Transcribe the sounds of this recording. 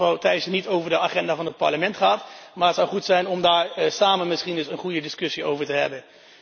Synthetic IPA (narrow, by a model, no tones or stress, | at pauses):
ɔwtɛjəsnitowvəɹdəaːχɛndaːvɑnət̚pɑ̰ɹləmɛntχaːtmaːɹətsɑwχutsɛjnɔmdaːɹsaːmənmɪsχindɵsənχujədɪskɵsio̰wvəɹtəɦɛ̰bən